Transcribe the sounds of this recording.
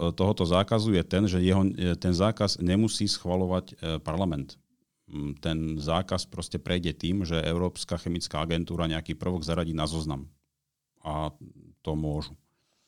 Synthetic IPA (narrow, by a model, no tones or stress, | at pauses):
t̪ɔɦɔt̪ɔzaːkazujɛt̪ɛnʒɛjɛɦɔt̪ɛnzaːkazɲɛmusiːsxʋalɔʋacpaɾlamɛnt̪ | t̪ːɛnzaːkaspɾɔscɛpɾʔɛjɟɛt̪iːmʒɛʔɛʊɾɔːpskaːxɛmit͡skaːaɡɛnt̪uːɾaɲɛakiːpr̩ʋɔɡzaɾaɟiːnazɔznam | at̪ɔmʊɔʒu